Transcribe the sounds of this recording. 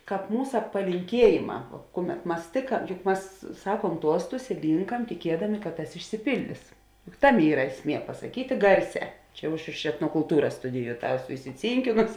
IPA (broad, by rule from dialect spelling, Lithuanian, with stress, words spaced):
ˈkɑːp ˈmuːsɐ pɐlʲɪŋʲˈkʲiɛjeːˌmɑː ˈkʊˌmʲɛt ˈmɐs tʲeːkɐ jʊk ˈmɐs ˈsɑːkuɔm ˈtuɔstʊs ɪ ˈlʲiːŋkɐm tʲɪˈkʲiɛdɐmʲɪ kɐt ˈtɐs ɪʃʲsʲɪˈpʲɪlʲdʲɪs jʊk ˈtɑːˌmʲeː ˈiːrɐ ˈæːsʲˌmʲiɛ pɐsɐˈkʲiːtʲeː ˈɡɐrʲˌsʲɛː ˈt͡ʃʲɛ jɛʊ ˈɐʃ ɪʃ ɛtnoːkʊlˠˈtuːrɐs ˈstʊdʲɪjʊ ˈtɑː ˈæːˌsʊ ɪsʲɪˈt͡sʲiːŋʲkʲɪnoːsʲɪ